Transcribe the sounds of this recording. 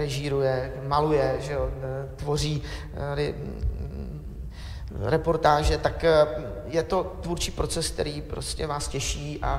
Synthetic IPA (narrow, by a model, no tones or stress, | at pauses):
ɾɛʒiːɾujɛ | malujɛʒɛot̪vo̞r̝iː | aɾɪ | ɾɛpo̞ɾt̪aːʒɛt̪ak | jɛt̪o̞t̪vuɾt͡ʃiːpɾo̞t͡sɛsk̚t̪ɛ̰ɾiːpɾoscɛvaːscɛʃiːʔa̰